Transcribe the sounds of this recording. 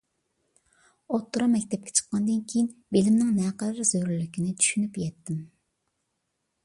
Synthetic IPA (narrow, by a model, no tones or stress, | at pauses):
ot̪ʰːuɾɑmɛkʲt̪ʰɛp̚kʰʲɛ̥t͡ʃʰə̥qʰːɑnd̪ɨnkʲʰejinbelɪmnɪŋnɛqəlɪɾzøɾylykʲinɪt͡ʃ̪ʰy̥ʃynypjɛt̪ʰːɪm